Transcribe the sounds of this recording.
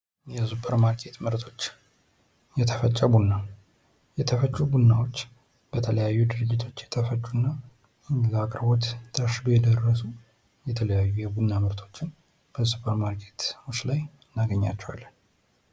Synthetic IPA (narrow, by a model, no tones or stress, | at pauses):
jɛzupʼəɾmaɾkʼet̪mɨɾt̪ʼʰo̞t͡ʃː | jɛt̪ʰəfət͡ʃʼːəbunːa | jɛt̪ʰəfət͡ʃʼːubunːawo̞t͡ʃː | b̥ət̪ʰələjajːud̪ɨɾɨd͡ʒːɪt̪ʰo̞t͡ʃːjɛt̪ʰəfət͡ʃʼːunːa | lakʼɾbo̞t̪t̪ʰːəʃɪbojɛd̪ərːəsu | jɛt̪ʰələjajːujɛbunːamɨɾt̪ʼʰo̞t͡ʃːɪn | b̥əzupʼəɾmaɾkʰʼe̞̥t̪wut͡ʃlaj | nːaɡəɲːa̰t͡ʃːɛwa̰lːən